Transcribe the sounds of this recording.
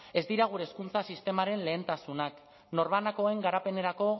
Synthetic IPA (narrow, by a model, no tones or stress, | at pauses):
e̞zd̪iɾaɣ̞uɾe̞ːskunt͡sasist̪e̞maɾe̞nle̞ːnt̪asunak | no̞ɾβanako̞e̞ŋɡaɾape̞ne̞ɾako̞